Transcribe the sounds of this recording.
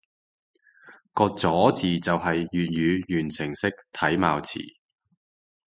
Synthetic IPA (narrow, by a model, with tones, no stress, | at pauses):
kɔː˧k̚t͡sɔː˨˥t͡siː˨t͡sɐ˨wɦɐ˨jːyː˨t̚jyː˨˧jyː˨˩nsʰɪ˨˩ŋsɪ˥k̚t̪ʰɐ˨˥jma̰ː˨wt͡sʰḭː˨˩